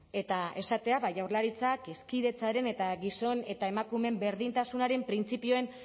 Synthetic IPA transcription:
e̞t̪ae̞sat̪e̞aβajawɾrlaɾit͡sake̞skiðe̞t͡saɾe̞ne̞t̪aɣiso̞ne̞t̪ae̞makume̞mbe̞ɾðint̪asunaɾe̞mpɾint͡sipio̞e̞n

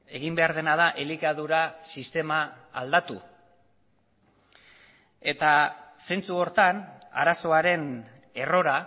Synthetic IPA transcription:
e̞ɣimbe̞aɾð̞e̞nað̞aʔelikaðuɾasist̪e̞maː | ld̪at̪ṵ | e̞t̪ase̞nt͡suo̞ɾt̪ana̰ɾaso̞aɾe̞n | e̞ro̞ɾa

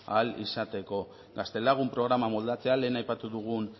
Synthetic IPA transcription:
alḭsat̪e̞ko̞ | ɡast̪e̞laɣ̞umpɾo̞ɣ̞ɾamamo̞ld̪at͡se̞ale̞ːnajpat̪uðuɣun

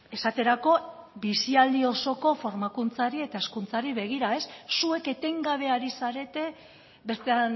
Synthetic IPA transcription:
e̞sat̪e̞ɾako̞βisiald̪io̞so̞ko̞fo̞ɾmakunt͡saɾie̞t̪ae̞skunt͡saɾiβe̞ɣ̞iɾae̞sːue̞ke̞t̪e̞ŋɡaβe̞aɾisaɾe̞t̪e̞ | be̞st̪ean

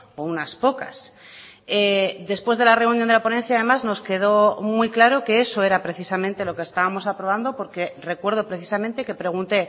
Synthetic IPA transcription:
ounaspo̞ka̰s | ed̪e̞spwe̞zð̞e̞lare̞unjõnd̪eapo̞nẽ̞nθjaðe̞mazno̞ske̞ð̞o̞muijklaɾo̞ke̞eso̞e̞ɾapɾe̞θisamẽnt̪e̞lo̞kest̪aβamo̞sapɾo̞β̞and̪o̞po̞ɾke̞re̞kwe̞ɾðo̞pɾe̞θi̥samẽnt̪e̞ke̞pɾe̞ɣ̞unt̪e̞

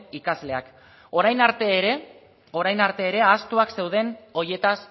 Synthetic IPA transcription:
ikazle̞ak | o̞ɾajnaɾt̪e̞ːɾe | o̞ɾajnaɾt̪e̞ːɾe̞ast̪uakse̞wð̞e̞no̞ɾje̞t̪as

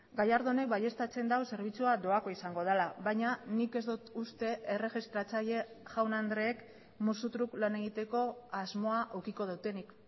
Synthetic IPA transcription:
ɡajaɾðo̞ne̞k̚baje̞st̪at͡se̞nd̪awse̞ɾβ̞it͡suad̪o̞ako̞isaŋɡo̞ð̞alaβaɲanike̞zd̪ut̪ust̪e̞ʔere̞xist̪ɾat͡saʎe̞ | ʝawnand̪ɾe̞ːk | musut̪ɾuklane̞ɣ̞it̪e̞ko̞azmo̞aʔokiko̞ð̞awt̪e̞nik

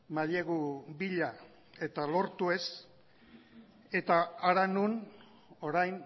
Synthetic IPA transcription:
maðieɣubiʎa | e̞t̪alo̞ɾt̪ue̞s | e̞t̪aːɾanun | o̞ɾajn

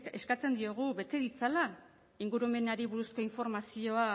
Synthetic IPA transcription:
e̞skat͡se̞nd̪io̞ɣ̞uβe̞t̪e̞ðit͡sala | iŋɡuɾume̞naɾiβuɾusko̞iɱfo̞ɾmasio̞a

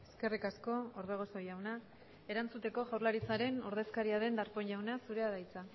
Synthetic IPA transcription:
e̞ske̞rikasko̞oɾðeɣ̞o̞so̞jawna | e̞ɾant͡sut̪e̞ko̞ɣawɾlaɾit͡saɾe̞nuɾð̞e̞skaɾiaðe̞nd̪aɾpo̞ɲʎawnasuɾe̞aðajt͡sa

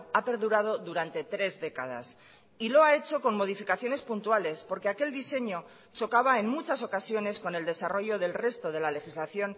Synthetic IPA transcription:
ape̞ɾðuɾað̞o̞ðuɾant̪e̞t̪ɾe̞zðe̞kaða̰s | ilo̞ae̞t͡ʃo̞ko̞ŋmo̞ð̞ifikaθjo̞ne̞spunt̪uale̞spo̞ɾke̞ake̞ld̪ise̞ɲo̞ | t͡ʃo̞kaβ̞ae̞nmut͡ʃaso̞kasjo̞ne̞sko̞ne̞ld̪e̞saro̞ʝo̞ðe̞lre̞st̪o̞ð̞e̞lale̞xizlaθjo̞n

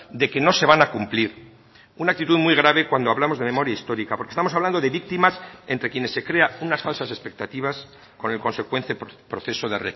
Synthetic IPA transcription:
d̪e̞ke̞no̞se̞β̞anakumpliɾ | unak̚t̪it̪uðmuijɣ̞ɾaβe̞kwand̪oaβlamo̞zðe̞me̞mo̞ɾjaist̪o̞ɾikapoɾkest̪amo̞saβland̪oðe̞βik̚t̪imase̞nt̪ɾe̞kje̞nesːe̞kɾe̞aunasfalsase̞spe̞k̚t̪at̪iβ̞as | ko̞ne̞lko̞nse̞kwe̞nθepɾo̞θe̞soðere

